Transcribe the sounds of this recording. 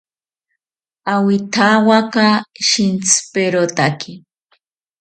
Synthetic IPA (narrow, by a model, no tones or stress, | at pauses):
awɪt̪ʰawakaʃɪnt͡speɾot̪akʰɪ